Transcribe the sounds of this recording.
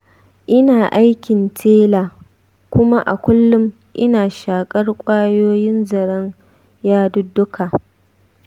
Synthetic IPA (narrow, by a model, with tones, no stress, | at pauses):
ʔɪ˦naː˨ʔa˦jkʲɪ˨ntʰeː˦laː˨ | kʷʊ˦ma˦ʔa˨kʷʊ˦lːʊ˦m | ʔɪ˦naː˨ʃaː˨kʼɐ˦rkʷʼaː˦joː˦jɪ˦nzɐ˨ɽɐ˦ŋ | jaː˦dʊ˦dːʊ˦kʰa˨